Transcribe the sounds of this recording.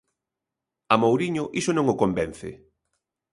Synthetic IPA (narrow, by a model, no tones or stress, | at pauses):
ɐmowɾiɲʊʔisonõŋʊkombɛn̟θɪ̰